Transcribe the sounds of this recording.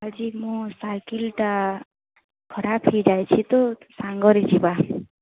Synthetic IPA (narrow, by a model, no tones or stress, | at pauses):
ad͡ʒimũsajkilʈa | kʰɔɾapʰijd͡ʒajt͡ʃʰit̪osãŋɡɔɾit͡ʃʰiba